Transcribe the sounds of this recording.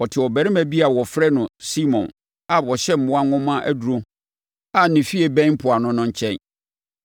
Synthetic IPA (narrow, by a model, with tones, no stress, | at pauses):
ɔ˨tʰɪ˨ɔ˨bæ˨ɾɪ̃˦mæ̃˨bi˦a˨wɔ˨fɾɛ˦nʊ̃˨si˦mɔ̰̃˨n | a˨wɔ˨ɕɛ˦m̩˦mʊ̃˦a˦ŋʊ̃˦mã˦ʔæ̰˦du˨ɾõ˦ | a˨nɪ̃˨fi˦e˨bɛ̃˦pʰʊ˨a˨nʊ̃˦nʊ̃˦ɲ˦t͡ɕʰɛ̃˦n